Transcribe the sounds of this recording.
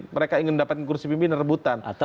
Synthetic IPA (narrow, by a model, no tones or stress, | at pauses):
məɾekaiŋɪnməndapat̪̚kəkursipimpinərəbut̪ana̰t̪a